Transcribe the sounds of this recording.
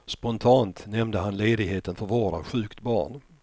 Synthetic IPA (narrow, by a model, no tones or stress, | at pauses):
spɔnt̪ʰɑːnt̪nɛmd̪əɦanleːd̪ɪɡɦeːt̪ənfœɾvoːɾa̰ɧʉ̟ːkt̪bɑ̰ːɳ